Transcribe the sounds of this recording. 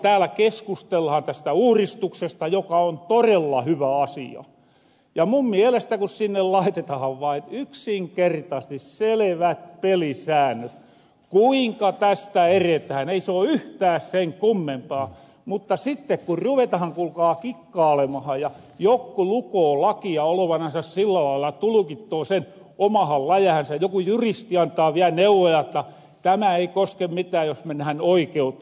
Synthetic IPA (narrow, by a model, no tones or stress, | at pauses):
t̪æːlækeskust̪elːhɑnt̪æst̪æuːrist̪uksest̪ɑjokɑont̪orelːɑhyʋæɑsḭɑ̰ | jɑmummielest̪ækussinːellɑit̪et̪ɑhɑʋʋɑinyksiŋkert̪ɑist̪isseleʋæt̪pelisæːnːˑøt̪ | kuiŋkɑt̪æst̪æeret̪ææneisoːyht̪æːsseŋkumːempɑː | mut̪ːɑsit̪ːekkurruʋet̪ɑhɑŋkulkɑːkikːɑːlemɑhɑjjɑ | jokːulukoːlɑkiɑoloʋɑnɑsɑssilːælɑilːɑt̪ulukit̪ːoːsen | omɑhɑllɑjɑhɑnsæjokujurist̪iɑnt̪ˑɑːʋiæneuʋojɑĕt̪ːɑ | t̪æmæeikoskemmit̪æːjosmenæænoikeut̪ː